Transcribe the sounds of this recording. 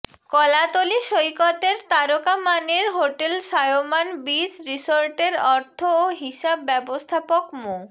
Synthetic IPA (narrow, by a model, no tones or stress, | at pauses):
kɔlat̪oliʃojkɔt̪eɾt̪aɾokamaneɾɦoʈelʃajomanbid͡ʑɾisoɾʈeɾɔɾt̪ʰooɦiʃabːɛbost̪ʰapokmo